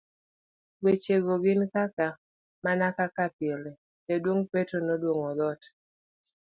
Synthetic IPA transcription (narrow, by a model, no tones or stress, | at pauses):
wet͡ʃeɡoɡɪnkaka | manakakapɪɛle | d͡ʒedwoŋpetonodwoŋɔd̪ɔt